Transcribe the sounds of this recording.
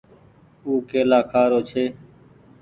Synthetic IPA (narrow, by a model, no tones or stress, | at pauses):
uːkeːlaːkʰaːɾoːt͡ʃʰeː